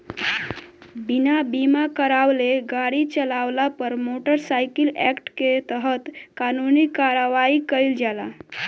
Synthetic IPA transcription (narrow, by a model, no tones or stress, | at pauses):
binabimakəɾawleɡaɽit͡ʃəlawlapəɾmoʈəɾsaɪkilɛkʈket̪əɦət̪kanunikaɾəʋaikəɪld͡ʒala